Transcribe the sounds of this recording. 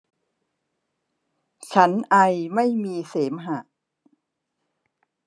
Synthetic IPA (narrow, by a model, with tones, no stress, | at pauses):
t͡ɕʰa˦˥nʔa˧jma˥˩jmiː˧seː˩˦mɦa˨˩